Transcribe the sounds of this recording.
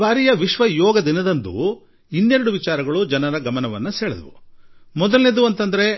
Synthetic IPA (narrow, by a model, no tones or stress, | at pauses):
ʋaːɾijɐʋiʃʋɐjɔːɡɐd̪inɐd̪ɐnd̪ṵ | inːeɾɐɽuʋit͡ʃaːɾɐɡɐɭud͡ʒɐnɐɾɐɡɐmɐnɐʋɐnːuseːɭed̪ɐʋṵmɔd̪ɐlned̪uɐnt̪ɐnd̪ɐɾe̞